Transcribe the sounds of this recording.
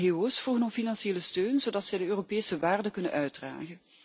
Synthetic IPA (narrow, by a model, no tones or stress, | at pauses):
ɦeːoːsfruɣənɔfinɑnsieːləstøːnzodɑtsɛjdəøːropeːsəʋaːrdəkɵnə̰nʔœɥ̚dra̰ːɣə